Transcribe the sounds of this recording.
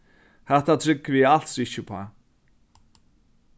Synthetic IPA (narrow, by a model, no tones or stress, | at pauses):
hɛht̪at̪ʰɾɪkːvɪal̥t̪sɪht͡ɕːɪpʰa̰